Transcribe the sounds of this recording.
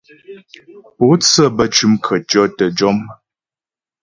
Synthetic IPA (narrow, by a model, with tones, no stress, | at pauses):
po˨˦t͡sə˦˨bə˦˨t͡ʃʉ˦mkʰə˨tɔ˦tə˨d͡ʒɔ˦m